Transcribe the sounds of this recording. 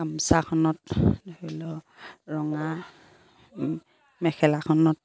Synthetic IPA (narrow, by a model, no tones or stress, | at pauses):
amsakʰɔnɔtolɔ | ɹɔŋa | mɛkʰɛlakʰɔnɔt̚